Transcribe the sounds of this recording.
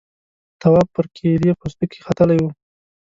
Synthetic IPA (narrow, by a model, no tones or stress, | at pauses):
t̪awɑpəɾkʰeɾjepost̪ukʰexat̪əlajwu